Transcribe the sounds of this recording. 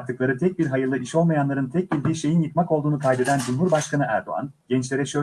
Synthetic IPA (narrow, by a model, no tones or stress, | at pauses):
ɾt̪ʰːɯklˠaɾɯt̪ʰɛc̚biɾɦajɯlˠɯʔiʃo̞lˠmajanlˠaɾɯnt̪ʰɛc̚bilʲd̪iːʃe̞jinjɯk̪mako̞lˠd̪uːnukʰajd̪e̞d̪ænd͡ʒumɦuɾbaʃkʰanɯæɾd̪o̞̰a̰nɟ̥ɛnt͡ʃlʲe̞ɾɛʃø̞